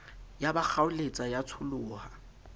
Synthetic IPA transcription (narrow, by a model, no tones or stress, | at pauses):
jabak͡xʰaʊlet͡sʼajat͡sʰʊlʊːha